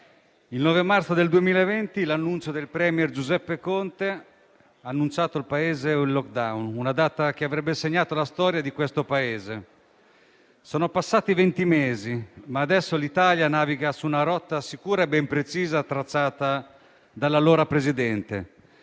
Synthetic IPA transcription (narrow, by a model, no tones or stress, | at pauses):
ilnɔːvemart̪sod̪eld̪uemiːlaevɛnt̪ilanːunt͡ʃod̪elpɾɛːmjɛrd͡ʒuzɛpːekont̪e | aːnːunt͡ʃaːt̪olpaeːzeilːɔk̚d̪awnunad̪aːt̪ak̟eavɾɛbːeseɲːaːt̪olast̪ɔːɾjad̪ikwest̪opaeːze | soːnopasːaːt̪ivent̪imeːzimaːd̪ɛsːolit̪aːljanaːviɡasuːnaɾɔt̪ːasikuːɾaebːɛmpɾet͡ʃiːzat̪ːɾat͡ʃːaːt̪a | d̪alːaloːɾapɾezid̪ɛnt̪ḛ